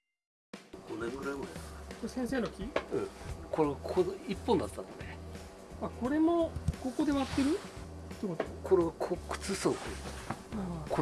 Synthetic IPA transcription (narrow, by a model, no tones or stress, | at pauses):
ɡ̥o̞nẽ̞ŋɡɯ̟ɾaiɡɯ̟ɾajd̪asosẽseːno̞kʲiɯ̃ko̞ɾeβakʰoipːõnd̪at̪ːano̰ne | ako̞ɾe̞mo̞ko̞ko̞d̪e̞βat̪ːe̞ɾɯ̟ | t̪ːekot̪okʰo̞ɾe̞βakʰokɯ̟̥t͡sɨsoːkɯet̪aako